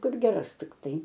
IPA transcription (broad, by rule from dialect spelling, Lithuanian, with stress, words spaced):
ˈkʊr ɡʲɛˈrɐs tʲɪkˈtɐɪ